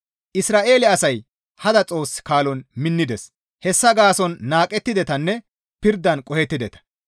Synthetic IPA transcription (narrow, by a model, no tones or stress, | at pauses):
ʔɪsɾaːʔe̞ːlɪɐsɐj | hɐd̪ɐt͡sʼo̞ːsːɪ̥kaːlɔnmɪnːɪd̪ɛs | hɛsːɐɡaːsɔnːaːkʼɛt̪ːɪd̪ɛt̪ɐnːɛ | pɪɾd̪ːɐnkʼɔhɛt̪ːɪd̪ɛt̪ɐ̥